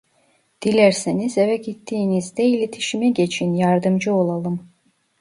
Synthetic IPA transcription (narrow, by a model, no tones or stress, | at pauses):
d̪̥ilʲæɾsenizɛvɛɟit̪ʰːiːnizd̪ɛilʲet̪ʰi̥ʃimɛɟe̞t͡ʃʰinjaɾd̪ɯmd͡ʒɯo̞lˠalˠɯm